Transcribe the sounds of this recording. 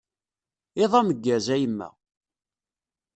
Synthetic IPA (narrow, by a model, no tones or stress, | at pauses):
ɪðˤɑməɡːæzæjəmːæ̰